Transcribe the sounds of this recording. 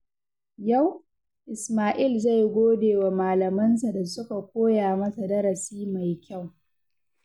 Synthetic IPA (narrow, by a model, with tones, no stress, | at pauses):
ja˦˨w | ʔɪ˨smaː˨ʔɪ˦˨lza˦˨jɡʷoː˦deː˨wa˨maː˨lɐ˨mɐ˦ns̬a˨da˨sʊ˦ka˨kʷoː˦jaː˨mɐ˦sa˨dɐ˦ɾɐ˨siː˦ma˨jkʲa˦˨w